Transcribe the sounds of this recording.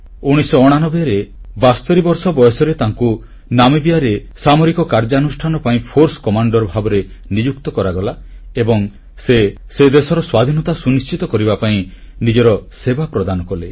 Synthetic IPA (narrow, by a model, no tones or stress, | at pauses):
uɽ̃isɔːɽ̃anɔbeaɾebast̪ɔɾibɔɾsɔbɔjɔsɔɾet̪aŋku | namibijaɾesamɔɾikɔkaɾd͡ʒanusʈʰanɔpaĩpʰoɾsɔ̥kɔmaɳɖɔɾbʱabɔɾe | nid͡ʒuk̚t̪ɔkɔɾaɡɔla | ebɔŋ | se | sed̪esɔɾɔswad̪ʱinɔt̪asunist͡ʃit̪ɔkɔɾibapaĩ | nid͡ʒɔɾɔsebapɾɔd̪anɔkɔle